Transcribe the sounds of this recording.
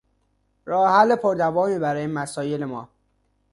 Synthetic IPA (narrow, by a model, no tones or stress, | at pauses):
ɾɒːhælːepʰoɾd̪ævɒːmiːbæɾɒːjemæsɒːjelemɒː